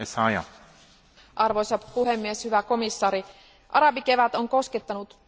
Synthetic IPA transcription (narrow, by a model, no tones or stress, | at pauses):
esɑjɑ̰ | ʔɑrʋojsɑpuɦe̞mːieshyʋæko̞misːɑːɾi | ʔɑɾɑbike̞ʋæt̪o̞ŋko̞sket̪ːɑnut̪